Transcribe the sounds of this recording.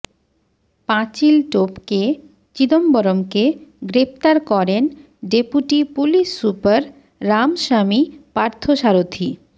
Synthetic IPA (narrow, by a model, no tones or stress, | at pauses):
pãt͡ɕilʈopke | t͡ɕid̪ombɔɾomkeɡɾep̚t̪aɾkɔɾen | ɖepuʈipuliʃːupaɾː | amʃamipaɾt̪ʰoʃaɾot̪ʰi